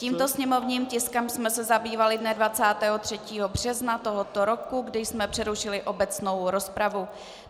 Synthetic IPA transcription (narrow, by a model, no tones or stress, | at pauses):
ciːmt̪o̞sɲɛmo̞vɲiːmcɪskɛmsmɛsɛzabiːvalɪdnɛdvat͡saːt̪ɛːɦo̞t̪r̝̥ɛciːɦo̞br̝̥ɛznat̪o̞ɦot̪o̞ɾo̞kuɡdɪjsmɛpr̥ɛɾuʃɪlɪʔo̞bɛt͡sno̞wɾo̞spɾavu